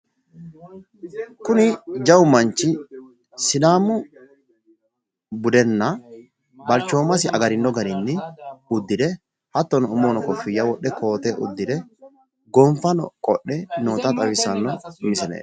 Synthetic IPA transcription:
kʊnɪd͡ʒɐwmɐnt͡ʃːɪ | sɪd̪aːmʊ | bʊd̪ɛnːɐ | bɐlt͡ʃːo̞ːmɐsɪʔɐɡɐɾɪnːɔɡɐɾɪnːɪʊd̪ːɪd̪ɛ | hɐt̪ːɔnɔʊmoːnɔkɔfɪjːɐwɔɗːɛkʰo̞ːt̪ɛʔʊ̰d̪ːɪd̪ɛ | ɡɔmfɐnɔ̰kʼɔ̰ɗːɛnoːt̪ɐt̪ʼɐwɪsɐnːɔmɪsɛnḛː

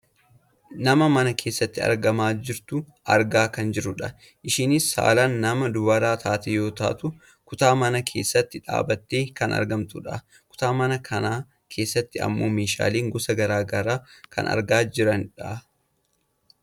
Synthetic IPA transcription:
nɐmɐmɐnɐkʰe̞ːsːɐt̪ːɪɐ̰ɾɡɐmaːd͡ʒɪɾt̪ʊ | ʔɐɾɡaːkɐnd͡ʒɪɾʊᶑɐ | ʔɪʃɪnɪsa̰ːlaːnːɐmɐd̪ʊbɐɾaːt̪ʰaːt̪ɛjo̞ːt̪a̰ːt̪ʊ | kʊt̪aːmɐnɐkʰe̞ːsːɐt̪ːɪᶑa̰ːbɐt̪ːe̞ːkɐnɐ̰ɾɡɐmt̪ʊᶑɐ | kʊ̥t̪aːmɐnɐkʰɐnaː | kʰe̞ːsːɐt̪ːɪɐ̰mːo̞̰ːme̞ːʃa̰ːleːŋɡɔsɐɡɐɾaːɡɐɾaːkʰɐ̰nɐ̰ɾɡaːd͡ʒɪɾɐnᶑa

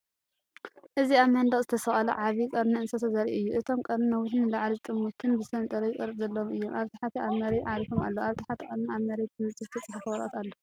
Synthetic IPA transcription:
ʔɨziaβmɐnd̪ɐχzɨt̪ʰɐsɐχʼɐlɐ̰ʕaβikʼɐɾnɐɨnsot̪ʰɐzaɾḭɨjːuʔɨt̪ʰo̞mkʼɐɾinɐwʊħnɨlaʕlit̪ʼɨmːuk̪ʰɨnbɨsɐnt̪ʼɐɾɐjɪkʼɐɾɨzɐlːɐɨjːomʔaβt̪ʰi̥ħat̪ʰiʔaβmɐɾeʕalifoma̰lːoaβt̪ʰiħat̪ʰikʼɐɾniaβmɐɾet̪ʰɨmɨizɨt̪ʰɐt͡sʼɐħafɐwɐɾʔɐ̰t̪alːo

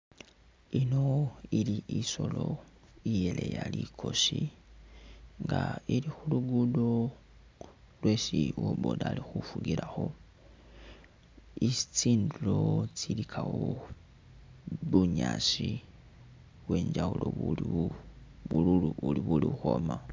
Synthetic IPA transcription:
ino̞iliʔiso̞lo̞ | ije̞le̞jalikʰo̞si | ŋɡaiɾixuluɡudo | lwe̞ːsiwoβoːdalixufuɡiɾaxo̞ | isit͡siːndulo̞t͡silikʰawo | βuɲaːsi | we̞ːɲd͡ʒauloβui | βululuuliβuliuxo̞ma

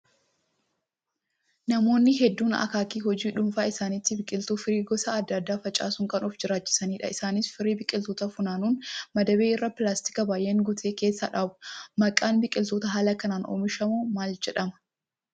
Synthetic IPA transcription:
nɐmo̞ːnːɪɦɛd̪ːuːnɐ̰kaːkiːɦɔd͡ʒiːᶑʊmfaːɪsaːnɪt̪ːɪbɪkʼɪlt̪uːfɪɾiːɡɔsɐɐd̪ːɐd̪ːaːfɐt͡ʃʼa̰ːsʊŋkɐnɔfd͡ʒɪɾaːt͡ʃːɪ̥sɐniːᶑɐ̰ɪsaːnɪsfɪɾiːbɪkʼɪlt̪oːt̪ɐfʊnaːnuːnmɐd̪ɐbeːɪrːɐpɪlaːst̪ɪ̥kɐbaːjʔeːŋɡʊt̪ʰeːkeːsːɐᶑaːbʊmɐkʼːaːnbɪkʼɪlt̪oːt̪ɐɦaːlɐkɐnaːnʔo̰ːmɪʃɐmumaːld͡ʒɛᶑɐmɐ̥

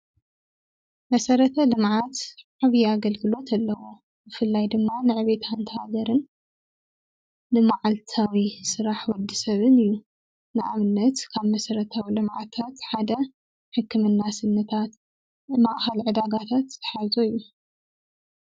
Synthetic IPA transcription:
mɐsɐɾɐt̪ʰɐlɨmʕat̪ʕaβjaɡɐlɡɨlo̞t̪ʰɐlːɐwo | bɨfɨlːajd̪ɨmːanɨʕɨβe̞t̪ʰant̪ʰɐhaɡɐɾɨn | lɨmaʕalt̪ʰawisɨɾaħwɔd̪ːisɐβɨnɨjːu | nɨʔa̰mɨnːɐt̪kʰaβmɐsɐɾɐt̪ʰawilɨmʕa̰t̪ʰat̪ħad̪ɐ | ħɨkːɨmɨnːasɨnːɐt̪ʰat̪ | maʔxɐlʕɨd̪aɡat̪ʰat̪tʰɐ̥ħazoɨjːu

